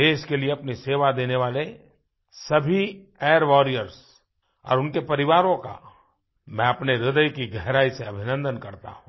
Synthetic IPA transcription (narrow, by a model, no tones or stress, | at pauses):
eːʃkelieɐpniseːʋad̪eːneʋaːle | sɐbʱi | ɛːɾʋɔːɾijəɾs | ɔ̰ːɾʊnkepɐɾɪʋaːɾõka̰ | mɛ̃ɐpneɾɪd̪əjkiɡʱɛɦɾaːiseɐbʱɪnə̃nd̪ənkɐɾt̪a̰ɦũ